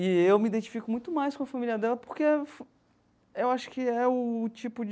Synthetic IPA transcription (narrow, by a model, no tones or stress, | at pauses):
ɪewmid̪ẽnt͡ʃi̥fikʊmũj̃t̪ʊmajskõɐfamiliɐd̪ɛlɐpoɾkef | ewaʃʊ̥kɪɛʊt͡ʃipʊd͡ʒ